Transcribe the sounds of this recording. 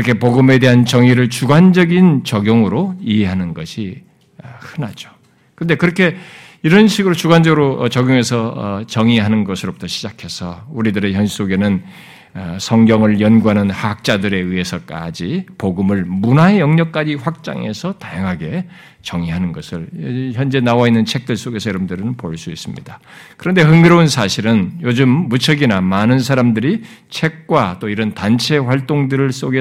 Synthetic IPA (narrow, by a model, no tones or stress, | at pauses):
ɾʌkʰe̞poɡɯme̞de̞ɦant͡ɕʌŋiɾɯɭt͡ɕuɡwand͡ʑʌɡint͡ɕʌɡjʌŋɯɾoiɦe̞ɦanɯnɡʌɕʰi | ʌhɯnad͡ʑo | kɯnde̞kɯɾʌkʰe̞ | iɾʌnɕʰiɡɯɾot͡ɕuɡwand͡ʑʌɡɯɾoʌt͡ɕʌɡjoŋe̞sʰʌʌt͡ɕʌŋiɦanɯnɡʌsʰɯɾobutʰʌɕʰid͡ʑakʰe̞sʰʌuɾidɯɾe̞çjʌnɕi̥s͈oɡe̞nɯn | ʌsʰʌŋɡjʌŋɯɭjʌnɡuɦanɯnhaɦak̚t͡ɕ͈adɯɾe̞ɯɦe̞sʰʌk͈a̰d͡ʑipoɡɯmɯɭmunaejʌŋɲʌk̚k͈ad͡ʑiɸwak̚t͡ɕ͈a̰ŋe̞sʰʌtajaŋɦaɡe̞ | t͡ɕʌŋiɦanɯnɡʌsʰɯɭçjʌnd͡ʑe̞nawainːɯnt͡ɕʰe̞k̚t͈ɯɭs͈oɡe̞sʰʌjʌɾʌmdɯɾɯnɯnpoɭs͈uis͈ɯmɲḭd̥a | kɯɾʌnde̞ɦɯŋɡɯɾounsʰaɕʰiɾɯnjod͡ʑɯmːut͡ɕʰʌɡinamanɯns̬ʰaɾamdɯɾit͡ɕʰe̞k̚k͈wat͈oiɾʌntant͡ɕʰe̞ɸwaɭt͈oŋdɯɾɯɭs͈oɡe